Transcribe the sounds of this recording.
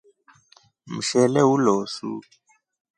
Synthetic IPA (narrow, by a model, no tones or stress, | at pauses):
m̩ʃɛlɛwuloːsṵ